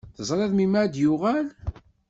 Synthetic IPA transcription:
θəzˤɾˤɑðmimæd̪jʊʁæl

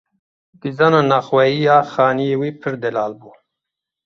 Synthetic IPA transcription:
d̪̥izɑnanaxwɛjijaːxaːniewipʰɨɾd̪ɛlaːlbuː

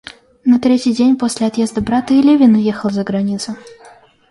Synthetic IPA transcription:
nɐt̪ɾʲetʲɪjdʲenʲpo̞sʲlʲɪɐt̪je̞zd̪əbɾat̪əɪlʲevʲɪnʊjexəlˠzəɡɾɐnʲit̪sʊ

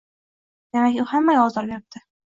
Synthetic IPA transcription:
d̪̥emakʲʊhamːajʲɒzɒɾbep̚t̪ʰɪ

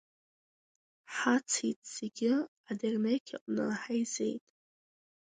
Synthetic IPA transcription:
ħat͡sʰitʼz̥eɡʲɪ | adernekʲʰaqʼnɨħajze̞̰jtʼ

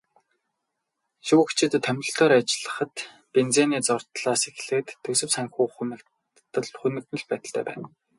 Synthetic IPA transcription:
ʃuːxt͡ɕʰɪ̆t̪ʰːœm̆ʲɬt̪oːɾat͡ɕɮə̆χə̆t̪ | pent͡seːniːt͡sɔr̥t̪ɮaːsex̆ɮɘ̆k̚t̪ʰːɵsɵ̆wsaŋxuːχunɘ̆k̪ː | ə̆ɮχunɘ̆knɵ̆ɮpæːt̪ə̆ɬt̪ʰæ̰ːpæ̰ːn

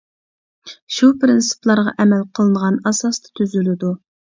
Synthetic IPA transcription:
ʃupɾɪnsɨ̥plˠɑɾʁɑ̰ʔɛmɛlqʰəlˠɨnəʁɑnɑsɑst̪ʰɑ̥t̪ʰyzylɪd̪u

